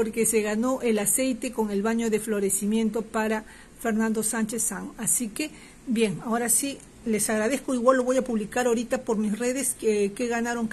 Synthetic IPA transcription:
poɾke̞se̞ɣano̞ʔe̞lase̞jt̪e̞ko̞ŋe̞lβaɲo̞ðe̞flo̞ɾe̞simje̞nt̪o̞paɾa | fe̞ɾnãnd̪o̞sant͡ʃesaŋasike̞ | bje̞ŋao̞ɾasi | le̞saɣɾað̞e̞skoiɣwalːo̞βo̞japuβlikaɾoɾit̪apo̞ɾmisre̞ðeskeɣanaɾo̞ŋ

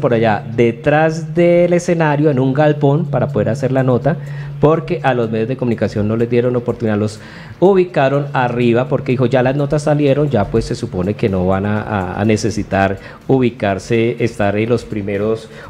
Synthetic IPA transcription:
po̞ɾaʝad̪e̞t̪ɾazd̪e̞le̞se̞naɾjo̞enuŋɡalpo̞npaɾapo̞ðe̞ɾase̞ɾlano̞t̪apo̞ɾke̞ʔalo̞zme̞ðjo̞zðekomũnikasjo̞nːo̞le̞zd̪je̞ɾo̞nopoɾt̪uniðalo̞s | uβikaɾo̞nariβapo̞ɾke̞ðixoʝalazno̞t̪asːalje̞ɾo̞nd͡ʒapwe̞sːe̞supo̞ne̞ke̞no̞βana̰ne̞se̞sit̪aɾ | uβikaɾse̞ːst̪aɾenlo̞spɾime̞ɾo̞s

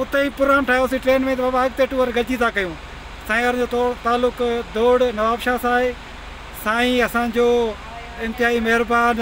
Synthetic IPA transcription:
ʊt̪eipʊɾaːnʈʰaːjosiʈɾeːnmẽt̪̬ɐbaːbaɐɡ̚t̪eːʈuːəɾɡɐd͡ʑit̪ʰakɐjũː | sãːəɾd͡ʑoːt̪ːt̪aːlːʊkd̪oːɽnɐʋaːbʃasaːɦeː | saːĩɐsãd͡ʑoː | ɪ̃nt̪ɪɦaːɦimɐɦɪɾbaːn

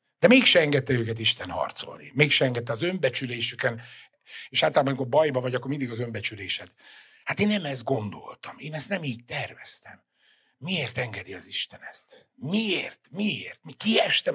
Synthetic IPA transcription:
d̪̥ɛmeːkʃɛɛŋɡɛt̪ːɛøːkɛt̪iʃt̪ɛnhɒ̰rt̪so̞̰lnḭmeːkʃɛɛŋɡɛt̪ːɛɒzø̞mbɛt͡ʃyleːʃykɛn | eːʃaːt̪ɔlaːbɒmikobɒjbɒvɒɟɒkːormind̪iɡɒzø̞mbɛt͡ʃyleːʃɛt̪ | hat̪eːnːɛmɛzd̪̚ɡo̞nd̪o̞̰lt̪ɒmeːnɛst̪nɛmiːɟ̚t̪ɛrvɛst̪ɛ̰mː | ieːrt̪ɛŋɡɛd̪iɒziʃt̪ɛnɛst̪ | mieːrt̪mieːrt̪mikiɛʃt̪ɛ

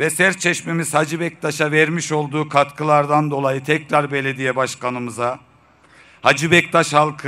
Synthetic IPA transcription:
vɛsɛɾt͡ʃʰɛʃmemiz̥had͡ʒibɛc̚t̪ʰaʃavɛɾmiʃo̞lˠd̪uːkʰat̪kʰɯlˠaɾd̪and̪o̞lˠajɯt̪ʰɛcɾaɾbe̞lʲed̪ijɛbaʃkʰanɯmɯza | had͡ʒibɛc̚t̪ʰaʃhalˠkʰ

